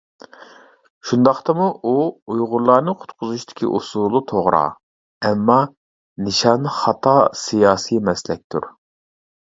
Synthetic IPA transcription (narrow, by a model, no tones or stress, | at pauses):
ʃund̪ɑχt̪ɨmuʔuujʁʊɾlˠɑːnɨqʰʊ̥t̪qʰʊzuʃt̪ʰɪ̥kʲʰḭʔusulˠut̪ʰoʁɾɑ̰ː | ɛmːɑ | nɨʃɑnɨχɑt̪ʰɑsijɑːsimɛslɛk̚ʲt̪ʰṵɾ